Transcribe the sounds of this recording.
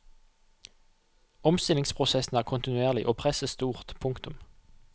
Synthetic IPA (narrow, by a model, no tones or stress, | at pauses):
ɔmst̪ɪlɪŋspʰʁʊsɛsn̩æːʁkʰʊnt̪ɪnʉeːʁlɪʔoːpʰʁɛsəst̪uːʁt̪pʰʊŋkt̪ʊm